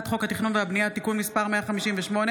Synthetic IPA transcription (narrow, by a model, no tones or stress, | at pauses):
t̪χo̞khat̪iχnunveabnijat̪ikunmispaʁmeaχamiʃimveʃmo̞ne